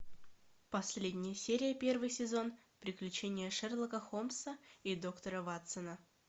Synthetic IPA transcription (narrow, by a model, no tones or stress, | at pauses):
pɐsʲllʲedʲnʲɪjəsʲeɾʲɪjəpʲe̞rvɨjsʲɪzo̞n | pɾʲɪklʲʉt͡ɕenʲɪjəʂɛrlˠəkəxo̞msəid̪o̞kt̪əɾəvat̪sənə